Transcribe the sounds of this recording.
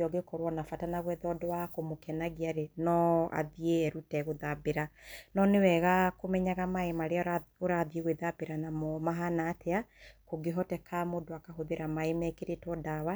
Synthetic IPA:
ɔɡekɔɾwɔnafatanaɣwɛðɔdɔwakomokɛnaɣiaɾenɔa̰ðieːɾutɛɣoðabeɾanɔnewɛɣakomɛɲaɣamaemaɾeaoɾaðieɣweðabeɾanamɔmaɦanaːtʰeakoɡeɦɔtɛkʰamodoakaɦoðeɾamaemɛkeɾetwɔdawa

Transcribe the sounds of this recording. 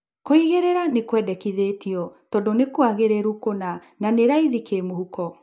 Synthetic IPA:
koiɣeɾeɾanekwɛdɛkiðetiɔtɔdonekwaɣeɾeɾukona | naneɾaiðikemohukɔ

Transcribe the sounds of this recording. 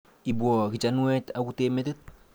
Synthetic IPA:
ibwɔkit͡ʃanuwɛtakuteːmetit̪̚

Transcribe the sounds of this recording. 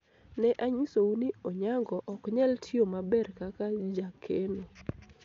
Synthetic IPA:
nɛʔaɲisounioɲaŋɡɔʔɔkɲɛltʰjomabɛrkakad͡ʒakʰeno

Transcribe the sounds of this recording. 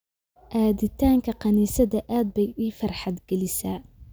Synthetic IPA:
ʔaːðɪt̪ʰaːŋkʰɐqɑniːsɐðɐʔaːd̪̚bɛjiːfɐrħɑd̪ɡɛlɪsaː

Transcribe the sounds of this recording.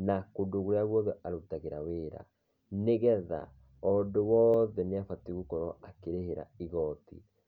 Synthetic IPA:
nakodoɣoɾeaɣwɔðɛʔaɾotaɣeɾaweːɾa̰ | neɣɛða̰ | ɔdowɔðɛneafatiɣokɔɾɔakeɾeheɾa̰iɣɔtḭ

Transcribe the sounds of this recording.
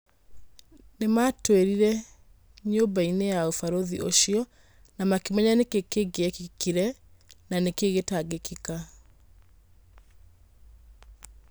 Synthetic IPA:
nematweɾiɾɛ | ɲoːmbainejaofaɾoðiʔo̰ʃiɔ | namakimɛɲanekekeɡeɛkikiɾɛnanekeɣetaɡekika

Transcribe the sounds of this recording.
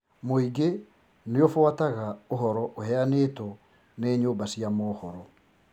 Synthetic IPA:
moiɡe | neofwataɣaoɦɔɾɔʔohɛaneːtɔ | neːɲoːmbasjamɔːhɔɾɔ

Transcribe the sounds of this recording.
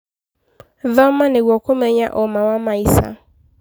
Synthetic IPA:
vammãnɪ̃wɔkʰʷomeɲã̰ʔɔmãwamãisa̰

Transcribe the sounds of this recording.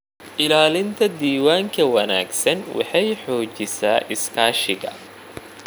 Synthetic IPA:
ʔɪlaːlɪnt̪ʰɐd̪iːwaːŋkʰɐwɐna̰ːɡsɐnwɑ̰ħɑjħɔːd͡ʒɪsaːʔɪskʰaːʃɪɣɐ̰

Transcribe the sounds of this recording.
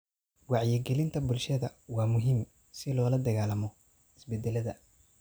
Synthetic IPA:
wɑʕjɪɡɛlɪnt̪ʰɐbʊlʃɐðɐwɑːmʊɦim | sɪlɔːlɐd̪ɐɣaːlɐmɔ | ʔɪsbɛd̪ːɛlɐðɐ

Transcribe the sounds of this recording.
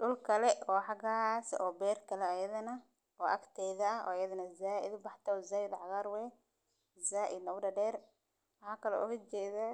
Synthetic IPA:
ɖʊlkʰɐlɛʔɔːħɑɣasʔɔːbɛːrkʰɐlɛɐjɐðɐnɐ | ɔːʔɐkt̪ʰɛːðɐːɦɔ̰ːjɐðɐnɐzaːʔɪ̰d̪ʊbɑħt̪ʰɐzaːjɪd̪ʕɑɣaːɾwɛː | zaːʔɪd̪nɐɣʊɖɐɖɛːr | wɐhaːkʰɐlɛ̰ʔʊɣɐt͡ʃɛːðaː

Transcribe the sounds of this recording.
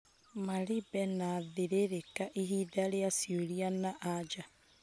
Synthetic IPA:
maɾibɛnaðeɾeɾekaʔiɦiðaɾeasioɾianaʔad͡ʒa

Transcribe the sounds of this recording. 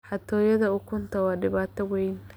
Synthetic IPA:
ħɑt̪ʰɔːjɐðɐʊkʰʊnt̪ʰɐwɑːɖɪβaːt̪ʰɐwɛjn

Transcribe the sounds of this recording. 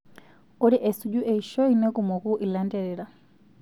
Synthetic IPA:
ɔɾiʔɛsud͡ʒuʔɛiʃɔinɛkumɔkuʔilandɛɾɛɾa

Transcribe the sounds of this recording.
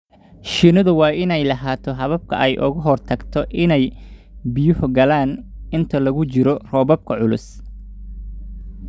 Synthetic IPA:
ʃɪnɐðʊwɑːɪnɛjlɐɦaːt̪ʰɔɦɐβɐb̚kʰɐ̰ʔɛjʔʊ̰ɣɐɦɔrt̪ʰɐɡt̪ʰɔʔɪnɛjbɪjʊhɡɐlaːnɪnt̪ʰɐlɐɣʊt͡ʃɪɾɔrɔːβɐb̚kʰɐʕʊlʊ̰s

